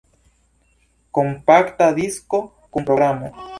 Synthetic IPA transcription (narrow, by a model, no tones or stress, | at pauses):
kompakt̪aðisko | kompɾoɣɾama